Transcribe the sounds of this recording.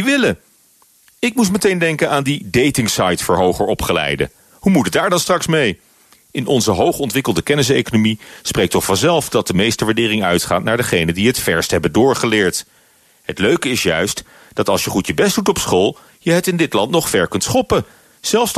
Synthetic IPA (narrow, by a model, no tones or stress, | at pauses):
ʋɪlə | ɪk̚mus̬mətejndɛŋkənaːndidejtɪŋsɑjtfəɹɦowχəɹɔpχəlɛ̰jdə̰ | humutədaːɹdɑnstrɑksmej | ɪnʔɔnzəɦowχɔntʋɪkəlˠdəkɛnɪs̬ejkonomisprejk̚tɔχfɑnzɛlˠfdɑt̚dəmejstəʋaɹdɪːrɪŋœ̰ɥtχaːtnaːɹdəχejnədiɦətfɛɹstɦɛbəndʊːɹχəlɪːɹt | ɦətløɥkəɪsjœ̰ɥst | d̥ɑtɑlˠsjəχutjəbɛst̚dutɔpsχolˠ | jəɦətɪndɪtlɑntnɔχfɛɹkɵntsχɔpə | z̥ɛlˠfs